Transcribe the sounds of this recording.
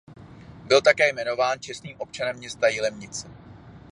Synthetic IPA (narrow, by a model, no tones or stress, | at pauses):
bɪlt̪akɛːjmɛno̞vaːnt͡ʃɛst̪niːmʔo̞pt͡ʃanɛmːɲɛst̪ajɪlɛmɲɪt͡sɛ